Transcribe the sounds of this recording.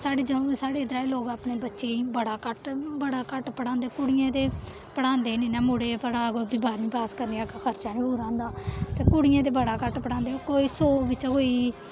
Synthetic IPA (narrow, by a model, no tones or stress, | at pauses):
saːɽeːd͡ʒəõːsaːɽeːɪd̪ɾaːiːloːɡaːpɳeːbətːʃeːiːbəɽaːkəʈbəɽaːkəʈpəɽãːnd̪eːokʊɽɪjãːt̪eː | pəɽãːnd̪eːnĩːnɛːmʊɽeːpəɾaːɡoːbɪbaːɾnĩːpaːskəɾniːakxʰəɾt͡ʃãːnĩːbuːɾãːnd̪aːt̪eːkʊɽɪjãːt̪̬eːbəɽaːkəʈpəɽãːnd̪eːɦoːkoːiːsoːʋɪt͡ʃɡoːiː